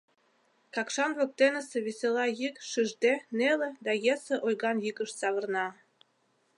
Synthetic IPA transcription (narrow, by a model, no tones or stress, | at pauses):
kɑkʃɑnβɤ̆k̚t̪enə̆sĕβesʲelɑjikʃɨʒd̪eneled̪ɑjesĕʔojɣɑnjiɣəʃt͡sɑβə̆rnɑ